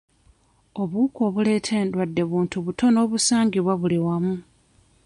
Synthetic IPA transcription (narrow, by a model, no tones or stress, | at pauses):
o̞βuko̞ːβule̞ːtʰe̞ːndwadːe̞βuːntuβuto̞no̞ːβusaːŋɡiβwaβuliwamu